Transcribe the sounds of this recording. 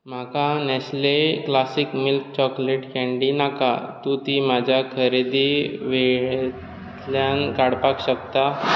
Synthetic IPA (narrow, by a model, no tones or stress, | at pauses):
m̤akanɛsleklasikmilk̚t͡ɕɔkleʈkɛ̃ɳɖinaka̰t̪ut̪imad͡ʑʱjakʰəɾed̪iʋeɭ | t̪ljankaɽpakɕəkt̪a